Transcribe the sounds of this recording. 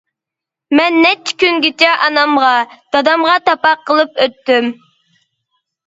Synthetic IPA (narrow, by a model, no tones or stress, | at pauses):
mɛnːɛt͡ʃʰːɪ̥kʲynɡʲit͡ʃɛʔɑnɑmʁɑd̪̥ɑd̪ɑmʁɑt̪ɑpɑqʰːəlˠɨpøt̪ːym